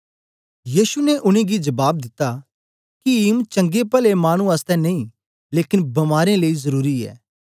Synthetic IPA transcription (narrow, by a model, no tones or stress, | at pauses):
jiːsunɛʔʊɽ̃ẽɡid͡ʒɐbaːb̚d̪ɪt̪ːa | kiɪmt͡ʃɐ̃ŋɡepɐlemaːɽ̃ũaːst̪ɛnɐĩ | leːkɪnbɐmaːɾẽləizɐɾuːɾiɛ̰ː